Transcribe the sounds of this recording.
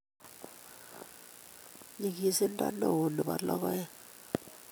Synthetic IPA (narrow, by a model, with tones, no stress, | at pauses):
ɲi˨ki˨si˦ntʼa̰˦no˨nu˨ɓa˨lɔ˦k̬ɔ˦ja˦